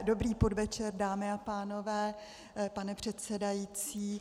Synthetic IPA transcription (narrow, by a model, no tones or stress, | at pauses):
do̞bɾiːpo̞dvɛt͡ʃɛɾdaːmɪapaːno̞vɛː | panɛpr̝̥ɛt̪sɛdajiːt͡siː